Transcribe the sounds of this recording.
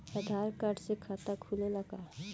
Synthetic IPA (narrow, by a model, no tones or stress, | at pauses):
əd̪ʱaːɾkaʈsekʰaːt̪akʰulelɐɡaː